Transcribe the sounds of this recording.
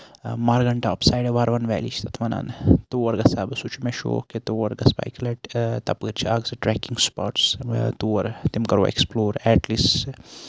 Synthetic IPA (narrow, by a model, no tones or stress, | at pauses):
maɾɡɐɳʈaɔpsajɖʋaːɾʋɐnʋɛːlit͡ʃt̪ʰɐt̪ʰmɐna̰nt̪uːɐɾɡɐsaːbsut͡ʃʰumeʃo̰ːket̪oʋɐɾɡɐspa̰jkleʈt̪ɐpɨɾt͡ʃʰiaɡsɨʈɾɛːkiŋɡspa̰ːʈst̪uːʋɐɾt̪imkɐɾʋo̰ḛksploːɾɛːʈlis